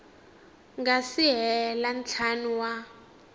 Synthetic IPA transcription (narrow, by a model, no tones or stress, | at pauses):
ŋɡasiɦɛlan̩t͡ɬʰanuwa